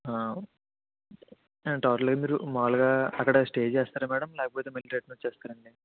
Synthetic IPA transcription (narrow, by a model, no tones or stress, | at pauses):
aː | ʈaːʈɐlɡaːmiːɾumaːluɡaːɐ̰kːɐɽɐsʈe̞ːd͡ʒɛːst̪aːɾɐmaːɽɐmlɛːkɐpoːt̪eːmɐliɾeːʈ̚nɐt͡ʃːɛːst̪aːɾɐɳɖi